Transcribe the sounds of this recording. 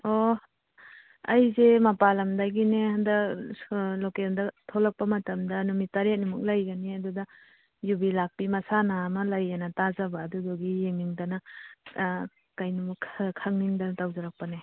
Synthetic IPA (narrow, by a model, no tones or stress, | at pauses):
o | ɐjzemɐpalɐmdaɡineandɐ | lokendɐtʰɔlɐk̚pɐmɐtɐmdɐnumitɐɾet̚numuk̚lajɡɐniɐdudɐ | jubilak̚pimɐsanaːmɐlajanɐtazɐbaːdudɔɡijeŋːiŋdɐnɐ | kajnumukʰkʰːaŋniŋdɐntawzaɾak̚pɐne